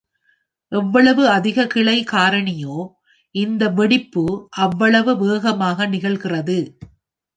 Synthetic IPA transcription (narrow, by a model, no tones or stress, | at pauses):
ʔɛʋːɐɭɐʋɯɐðɪɣɐkɪɭɐɪkaːɾɐɳɪjoː | ɪnd̪ɐʋɪɽɪpːɯʔɐʋːɐɭɐʋɯʋeːɣɐmaːɣɐnɪɣɐɭɣɪrɐðɯ